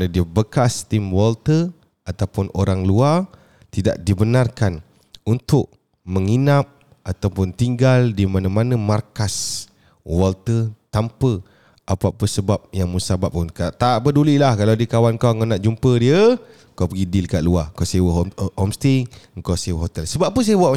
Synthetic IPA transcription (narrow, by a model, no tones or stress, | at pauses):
nadiəbəkast̪imwɔlt̪ə | at̪awpʊnʔoɾaŋluar | t̪ida̰ʔ̚dibənarkan | unt̪ʊʔ̚ | məŋinap̚ | ʔat̪awpʊnt̪iŋɡaldimanəmanə̃markas | wɔlt̪ət̪ampə | ʔapapəsəbap̚jaŋməsabap̚unkat̪aʔpədulilahkalawdiəkawankawŋonaʔd͡ʒumpədiə | kawpəɡidilkaʔluakawsajəwəɦhɔmst̪iŋkawsajəwəɦot̪ɛlsəbap̚ːuns̬ajəbuaʔ